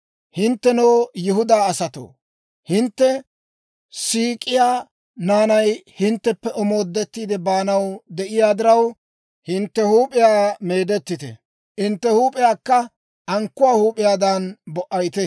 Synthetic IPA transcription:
hɪnt̪ːɛnoːjɪhʊd̪aːɐsɐt̪o̰ː | hɪnt̪ːɛ | siːkʼɪjaː | naːnɐjhɪnt̪ːɛpːɛʔɔmo̞ːd̪ːɛt̪ːiːd̪ɛbaːnɐwd̪ɛʔɪjaːd̪ɪɾɐw | hɪnt̪ːɛhuːpʼɪjaːme̞ːd̪ɛt̪ːɪt̪ɛ̰ | ɪnt̪ːɛhuːpʼɪjaːkːɐ | ʔɐŋkːʊwaːhuːpʼɪjaːd̪ɐnbɔʔɐjt̪ɛ

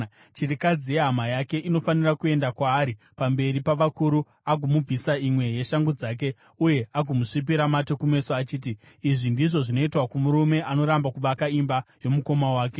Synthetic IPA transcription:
t͡ʃirikad͡zijeɦamajake̞ʔino̞fanirakue̞ndakwaːɾi | pambe̞ɾipaʋakuɾu | aɡumub͡visaimwe̞je̞ʃaŋɡud͡zaːk̬e̞ | uje̞aɡumuʂip̬iɾamato̞kume̞soat͡ʃiːt̬iː | ʐindiʐo̞ʐino̞itwakumuɾume̞ʔano̞ɾambakuʋakaimbajo̞muko̞mawaːke̞

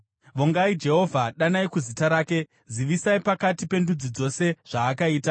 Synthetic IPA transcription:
ʋoŋɡaid͡ʒe̞ɦo̞vʱaɗanaikuzitaɾaːke̞ | ziʋisaipakatipe̞ndud͡zid͡zo̞se̞ʐ̥aːkaiːta

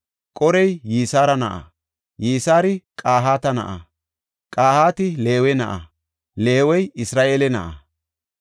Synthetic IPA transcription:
kʼɔɾɛjːiːsaːɾɐnɐʔɐ̰ | jiːsaːɾɪkʼaːɦaːt̪ɐnɐ̰ʔɐ̰ | kʼaːhaːt̪ɪle̞ːwɛnɐ̰ʔɐ̰ | le̞ːwɔjɪsɾaːʔeːlɛnɐ̰ʔɐ̰

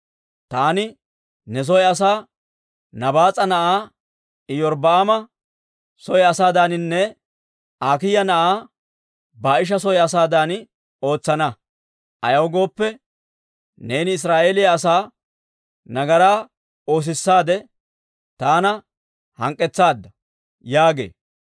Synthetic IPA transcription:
t̪aːnɪ | nɛs̬ɔjɐs̬aː | nɐbaːt͡sʼːɐnɐʔaː | ɪjɔɾbɐamɐ | sɔjɐsaːd̪aːnɪnːɛ | aːkɪjɐnɐʔaː | baːɪʃ̬ɐsɔjɐsaːd̪aːn | o̞ːt͡sːɐnɐ | ʔɐ̰jɐwɡo̞ːpːɛ | ne̞ːnɪɪs̬ɾaːʔe̞ːlɪjɐːsaː | nɐɡɐɾaː | o̞ːs̬ɪsːaːd̪ɛ | t̪aːnɐ | hɐ̰ŋkʼːɛt͡sːaːd̪ːɐ | jaːɡḛː

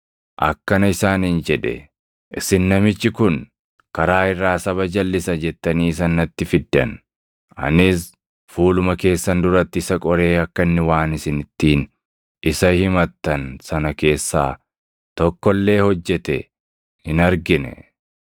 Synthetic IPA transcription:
ʔɐ̰kːɐnɐɪsaːniːnd͡ʒɛᶑɛ̰ | ʔɪsɪnːɐmɪt͡ʃːɪkʊn | kɐɾaːɪrːaːsɐβɐd͡ʒɐlːɪsɐd͡ʒɛt̪ːɐniːs̬ɐnːɐt̪ːɪfɪd̪ːɐ̰n | ɐ̰nɪs | fuːlʊmɐke̞ːsːɐnd̪ʊɾɐt̪ːɪɪsɐkʼɔɾe̞ːɐkːɐɪnːɪwaːnɪsɪnɪt̪ːiːn | ɪsɐhɪmɐt̪ːɐnsɐnɐke̞ːsːa̰ː | t̪ɔkːɔlːe̞ːhɔd͡ʒːɛt̪ɛ | hɪnɐɾɡɪnɛ̰

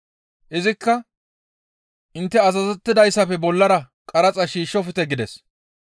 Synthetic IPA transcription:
ʔɪzɪkːɐ | ʔɪnt̪ːɛɐzɐzɛt̪ːɪd̪ɐjsːɐpɛbɔlːɐɾɐ | kʼɐɾɐt͡sʼɐʃiːʃːɔfɪt̪ɛɡɪd̪ɛs

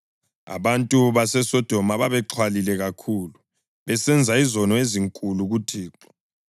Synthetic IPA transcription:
a̰βantʼuβasɛsɔd̥ʱɔmaβaβɛǁʰwalilɛɣakʰuːlu | βɛsɛnd͡zʱaizɔnɔeziŋkʼuluɣutʰiːǁɔ̥

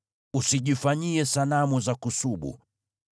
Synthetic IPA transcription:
usiʄifaɲiɛsalamuzakusuɓṵ

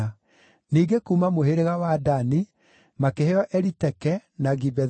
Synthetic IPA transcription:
a | niːɡekuːmamoɦeɾeɣawaːdani | makeheɔʔɛɾitɛkɛnaɡibɛ

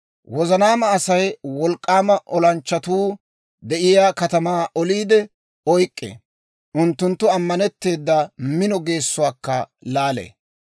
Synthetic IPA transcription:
wɔzɐnaːmɐːsɐjwɔlkʼːaːmɐʔɔlɐnt͡ʃːɐt̪uː | d̪ɛʔɪjaːkɐt̪ɐmaːʔɔliːd̪ɛ | ɔjkʼːḛ | ʔʊnt̪ːʊnt̪ːʊɐmːɐnɛt̪ːe̞ːd̪ːɐmɪnɔɡe̞ːsːʊwaːkːɐlaːlḛː

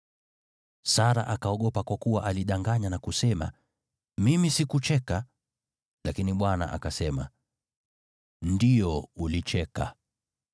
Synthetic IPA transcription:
saɾa̰ʔakaɔɠɔpakwakuwaʔaliɗaŋɡaɲanakusɛma̰ | mimisikut͡ʃɛka | lakiniɓwana̰ʔa̰kasɛma̰ | ndiɔulit͡ʃɛka̰

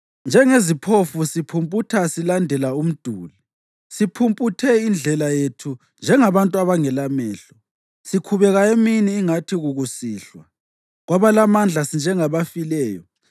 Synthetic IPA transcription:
nd͡ʒʱɛŋezipʰofusipʰumpʼutʰasilandʱɛlaum̩d̥ʱuːli | sipʰumpʼutʰɛind͡ɮʱɛlajetʰu | nd͡ʒʱɛŋaβantʼuaβaŋɛlamɛːɬɔ | sikʰuβɛɣaeminiːŋatʰiɣuɣusiːɬwa | ɣwaβalamand͡ɮʱasind͡ʒʱɛŋaβafilɛːjɔ̰

